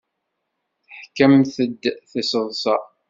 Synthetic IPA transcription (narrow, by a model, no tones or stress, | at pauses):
θəħkːəmθəd̪ːθəsəðˤsɑ